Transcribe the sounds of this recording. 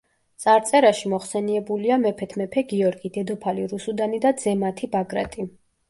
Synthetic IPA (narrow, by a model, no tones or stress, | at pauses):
t̪sʼaɾt̪sʼɛɾaʃimɔχsɛniɛbuliamɛpʰɛt̪ʰmɛpʰɛɡiɔɾɡid̪ɛd̪ɔpʰaliɾusud̪anid̪ad̪zɛmat̪ʰibaɡɾa̰t̪ʼi